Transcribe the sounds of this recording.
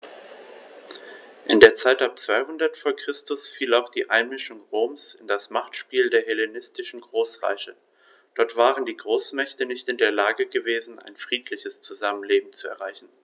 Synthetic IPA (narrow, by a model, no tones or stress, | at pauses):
ʔɪndeːɐt͡saɪtap̚t͡sv̥aɪhʊndɐtfoːɐkʁ̥ɪstʊsfiːlaʊxd̥iːʔaɪnmɪʃʊŋʁoːmsɪndasmaχtʃpiːldeːɐɦelenɪstɪʃn̩ɡʁoːsʁa̰ɪçə | d̥ɔɐtv̥aːʁəndiːɡʁoːsmɛçtənɪçtɪndeːɐlaːɡəɡəveːzn̩ʔa̰ɪnfʁ̥iːtʰlɪçəst͡suzamənleːbm̩t͡suɛ̰ɐʁaɪçn̩